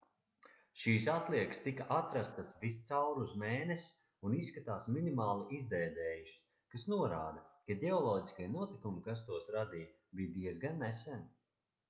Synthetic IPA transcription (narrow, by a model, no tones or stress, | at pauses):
ʃiːsat̪lˠiɛkst̪ikaʔat̪ɾast̪asvist̪sawɾuzmeːnesʲ | unisːkat̪aːsminimaːlˠiʔizd̪ɛːd̪ɛːjuʃi̥s | kasnuɔɾaːd̪ɐkad̪ʲɛɔlˠɔːɟiskajnuɔt̪ikumikas̬t̪uɔsɾad̪ij | bijd̪iɛzɡanːɛsɛn